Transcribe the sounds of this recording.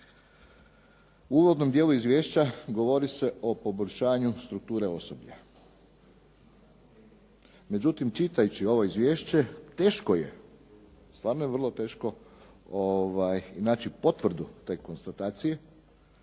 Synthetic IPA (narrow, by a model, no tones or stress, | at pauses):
uuːʋo̞d̪no̞md̪jeːlˠuizʋje̞ːʃt͡ɕaɡo̞ʋo̞ɾise̞ʔo̞po̞boʎʲʃaːɲust̪ɾuk̚t̪uːɾe̞o̞sobʎa | me̞d͡ʑut̪imt͡ʃit̪ajut͡ɕio̞ʋo̞izʋʲje̞ːʃt͡ɕe̞t̪e̞ːʃkoje | st̪ʋaːɾnojeʋr̩lˠo̞t̪e̞ːʃko̞ | oʋajinaːt͡ɕipo̞t̪ʋr̩d̪ut̪e̞ːko̞nst̪at̪aːt̪sije̞